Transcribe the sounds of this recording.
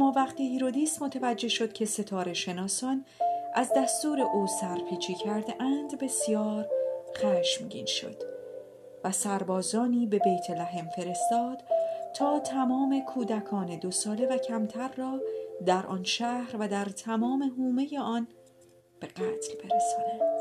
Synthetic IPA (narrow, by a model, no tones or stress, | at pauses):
æmːɒːvæqt̪iːhiɾo̞d̪iːsmo̞t̪ʰevæd͡ʒːe̞hʃo̞d̪̥̚cʰe̞se̞t̪ʰɒːɾe̞ʃe̞nɒːsɒːn | ʔæzd̪æst̪uːɾe̞ʔuːsæɾpʰiːt͡ʃʰiːcʰæɾd̪eʔænd̪be̞sijɒːɾχæːʃmɟḭːnʃo̞̰d̪̥ | væsæɾbɒːzɒːniːbe̞beːjt̪ʰelæɦe̞mfe̞ɾe̞st̪ɒːd̪̥t̪ʰɒːt̪ʰæmɒːme̞kʰuːd̪ækʰɒːne̞d̪o̞sɒːle̞væcʰæmt̪ʰæɾːɒːd̪æɾʔɒ̰ːnʃæhɾvæd̪æɾt̪ʰæmɒːme̞ɦuːme̞je̞ɒn | b̥e̞ɢæːt̪ʰlb̥e̞ɾesɒːnænd̪̥